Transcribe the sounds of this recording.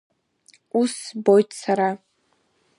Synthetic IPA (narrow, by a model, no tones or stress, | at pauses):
usbojtʰsaɾa